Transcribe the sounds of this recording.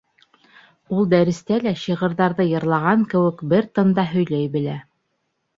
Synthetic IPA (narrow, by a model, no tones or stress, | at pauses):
ulˠd̪æɾɘ̆st̪ælæɕɤʁɤ̆ɾðɑɾðɤjɤ̆ɾlˠɑʁɑŋkɘ̆wɘ̆kbɘɾt̪ɤ̆nd̪ɑɦɵ̆jlæjbɘ̆læ